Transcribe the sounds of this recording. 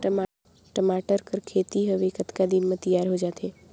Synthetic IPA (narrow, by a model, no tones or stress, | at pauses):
ʈəmaːʈəɾkəɾkʰeːt̪iɦəʋekət̪kad̪immẽt̪əjaːɾɦod͡ʒaːt̪ɦeː